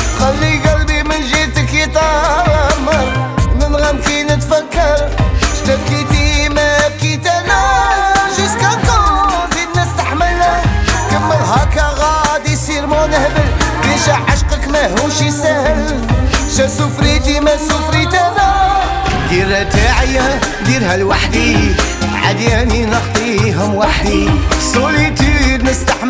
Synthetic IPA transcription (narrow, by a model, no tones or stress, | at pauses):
xælːiɡælbimənʒit̪əkit̪ˤɑ | mɑɾˤmənɣæmkinət̪fækːəɾʃt̪æb̚kit̪imæb̚kit̪ænæ | ʒiskɑqɑzinːæst̪aħməlːəkəmːəlɦɑkɑɣɑd̪isiɾmonəhməlbinʒaʕaʃqəkmæɦuʃisæhəl | ʃæsʊfɾit̪imæsʊfɾit̪ænæ | d̪irːæt̪aʕjæ | d̪iɾhælwaħd̪i | ʕa̰d̪ijæninəqt̪ˤiɦʊmwaħd̪isˤolit̪id̪nəst̪aħ